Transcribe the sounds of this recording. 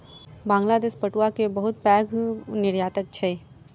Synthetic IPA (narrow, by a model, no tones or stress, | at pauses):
bãːŋɡlaːd̪eːʃpəʈuakebɐɦʊt̪̚pɛːɡnɪɾjaːt̪ək̚t͡ʃʰeː